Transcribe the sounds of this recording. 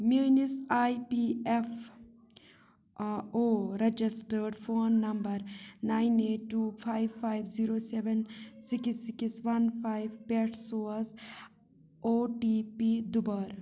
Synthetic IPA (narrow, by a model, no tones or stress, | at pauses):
minisajpief | oɾed͡ʒisʈəɾɖfʰoːnːɐmbəɾnaɪneːʈːupʰajʋfʰajʋziɾoːseʋensiksːiksʋɐnpʰajʋpeʈsoːs | oːʈipid̪ubəɾ